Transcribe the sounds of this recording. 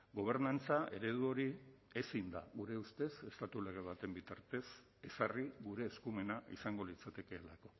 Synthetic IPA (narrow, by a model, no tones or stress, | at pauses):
ɡo̞β̞e̞ɾnant͡sae̞ɾe̞ðuo̞ɾiesind̪a̰ɣuɾe̞ust̪e̞se̞st̪at̪ule̞ɣ̞e̞β̞at̪e̞mbit̪aɾt̪e̞s | e̞sariɣuɾe̞ːskume̞naʔḭsaŋɡo̞lit͡sat̪e̞ke̞ːlako̞